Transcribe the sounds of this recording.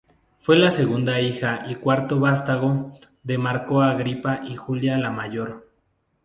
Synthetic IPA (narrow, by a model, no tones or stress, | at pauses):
fwe̞lase̞ɣund̪aixaʔikwaɾt̪o̞βast̪aɣo | ðe̞maɾkoaɣɾipaʔixuljalamaʝo̞ɾ